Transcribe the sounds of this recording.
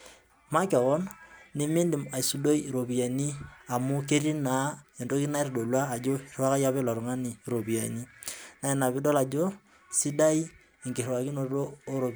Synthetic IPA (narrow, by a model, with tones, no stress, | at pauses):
ma˦ke˨ɣɔ˦nni˦mi˦ndi˨ma˨i˨su˨do˦i˦˨ɾo˨bi˨a˨ni˦a˨mu˦ke˦ɾi˦na˨˦e˨ndo˦ki˦na˦rdo˨lwaː˦˨d͡ʒo˦˨ra˦ka˦ja˦βɛ˦lɔ˨ɾu˨ŋa˦ni˨ɾo˨bi˨a̰˨ɲi˦na˨e˨na˨bi˦dɔ˦la˨d͡ʒo˦ | si˦da˦i˦ | e˨ŋɡi˨rwa˨ki˦no˨˦oː˦ɾo˨